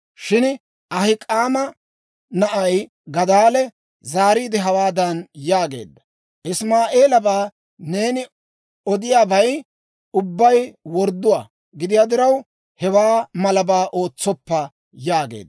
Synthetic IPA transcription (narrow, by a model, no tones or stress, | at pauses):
ʃɪn | ɐhɪkʼaːmɐ | nɐʔɐj | ɡɐd̪aːlɛ | zaːɾiːd̪ɪɦɐwaːd̪ɐnjaːɡe̞̰ːd̪ːɐ | ʔɪsmaːʔeːlɐbaː | ne̞ːnɪ | ɔd̪ɪjaːbɐj | ʊbːɐjwɔɾd̪ːʊwa̰ː | ɡɪd̪ɪjaːd̪ɪɾɐw | hɛwaːmɐlɐbaːʔo̞ːt͡sːɔpːɐ | jaːɡḛːd̪ɐ